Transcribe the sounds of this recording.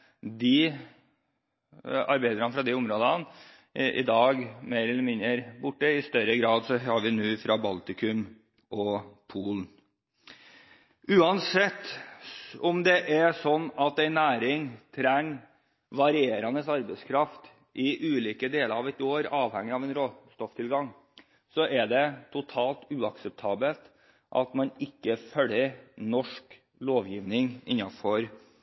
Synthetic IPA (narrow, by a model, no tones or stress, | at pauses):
d̪ɪ | ɑɾbæɪd̪ɾənəfɾɑd̪iʊmɾoːd̪ɑn | ʔɪ̰d̪ɑːɡmeːɾɛlːəmɪnəɾbʊʈːəɪst̪œɾəɡɾɑːd̪sɔhɑɾʋɪnʉːfɾɑbɑlt̪ɪkʰʉm | ʔɔpʰuːln | ʉːɑnsɛt̪ː | ɔmd̪ɛʔæsɔnːɑt̪æɪnæːɾɪŋt̪ʰɾæŋ | ʋɑɾɪeːɾɑnəsɑɾbæɪskʰɾɑft̪ | ʔɪʔʉːliːkəd̪eːləɾɑʋɛt̪oːɾɑːʋhæŋːɪɑʋɛɪnɾoːst̪ɔft̪ʰɪlɡɑŋ | sɔʔæɖɛt̪ʰʊt̪ʰɑːlt̪ʉːɑksɛp̚t̪ʰɑːbəlt̪ | ʔɑ̰t̪mɑnɪkːəfœlːəɾnɔʂk | loːʋjiːʋnɪŋɪ̰nːɑfɔɾ